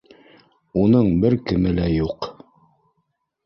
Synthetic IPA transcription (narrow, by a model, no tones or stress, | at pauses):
unɤɴbɘɾkɘ̆mɘlæjuq